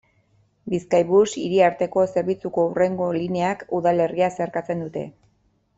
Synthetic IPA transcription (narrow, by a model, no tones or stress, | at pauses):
biskajβusiɾiaɾt̪e̞ko̞se̞ɾβ̞it͡suko̞ure̞ŋɡo̞lineakuðale̞riase̞ɾkat͡se̞nd̪ut̪e̞̰